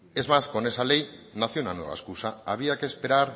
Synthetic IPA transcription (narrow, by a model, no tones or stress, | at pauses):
e̞zmaskonesalejnaθjonanwoɣa̰skusaaβiake̞spe̞ɾaɾ